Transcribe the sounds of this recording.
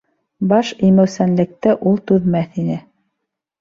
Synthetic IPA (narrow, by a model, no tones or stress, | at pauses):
bɑʃijmæwsænlɘ̆k̚t̪ɘʔulˠt̪ʉðmæθinɘ